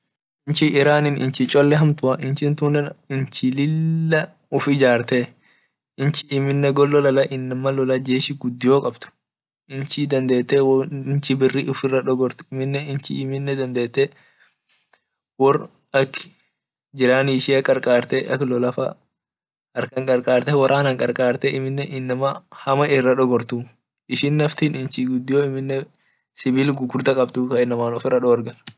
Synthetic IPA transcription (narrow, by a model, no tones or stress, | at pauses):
ʔɪnt͡ʃɪɪɾaːnɪnɪ̰nt͡ʃɪt͡ʃʼɔlːɛɦɐmt̪ʊɐʔɪnt͡ʃɪnt̪uːnɛnɪnt͡ʃɪlɪlːɐ | ʊfɪd͡ʒaːɾt̪eː | ɪnt͡ʃɪːmɪnːɛɡɔlːɔlɐlɐʔɪnːɐmːɐlɔlɐd͡ʒeːʃɪɡʊd̪ːɪjoːkʼɐbt̪ʊ̥ | ʔɪnt͡ʃɪd̪ɐnd̪eːt̪ːewɪnt͡ʃɪbɪrːiʔʊfɪrːɐᶑɔɡɔɾt̪ɪmɪnːɛɪnt͡ʃɪɪmɪnːɛd̪ɐnd̪e̞ːt̪ːe | wɔr | ɐkː | d͡ʒɪɾaːniɪʃɪɐkʼɐɾkʼaːɾt̪ɛʔɐkːlɔlɐfɐ̰ | ɐɾkɐŋkʼɐɾkʼaːɾt̪ɛwɐɾʔaːnɐŋkʼɐɾkʼaːɾt̪ɛʔɪmɪnːɛʔɪnːɐmɐhɐmɐʔɪrːɐᶑɔɡɔɾt̪uː | ʔɪʃɪnːɐft̪iːnɪnt͡ʃiɡʊd̪ːɪjoːɪmɪnːɛ | sɪbiːlɡʊɡʊɾt̪ɐkʼɐbt̪ukɐɪnːɐmaːnɔfɪrːɐᶑɔɐɾɡɐl